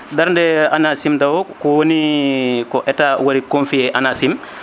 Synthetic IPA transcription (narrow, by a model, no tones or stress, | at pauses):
daɾndɛanasimdawokɔwonikɔʔɛtawɐɾikõnfieʔanasim